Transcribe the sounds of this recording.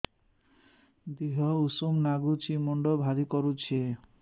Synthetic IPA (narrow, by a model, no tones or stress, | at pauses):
d̪iɦɔusumnaɡut͡ɕimɔɳɖɔbʱad̪ikɔɾut͡ɕʰe